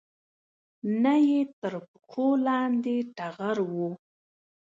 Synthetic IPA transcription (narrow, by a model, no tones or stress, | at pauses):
najet̪əɾpkʰolɑnd̪eʈaɣaɾwu